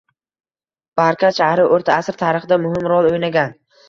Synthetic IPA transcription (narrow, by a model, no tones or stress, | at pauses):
b̥aɾkʲʰaʃahɾɪʔoɾt̪ʰaːsɾt̪ʰaɾɨχɨd̪amʊhɪmɾɒlˠojnaɡʲan